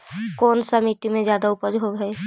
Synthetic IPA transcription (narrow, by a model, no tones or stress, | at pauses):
koːnsəmit̪imẽd͡ʒjaːd̪aʊpəd͡ʒɦoɦɛ